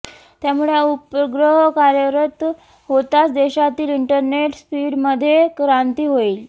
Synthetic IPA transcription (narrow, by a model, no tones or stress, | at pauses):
t̪jamuɭeupəɡɾəɦkaɾjəɾət̪ | ɦot̪at͡sd̪eɕat̪iːliɳʈəɾneʈspiɽməd̪ʱːjekɾant̪iːɦoiːl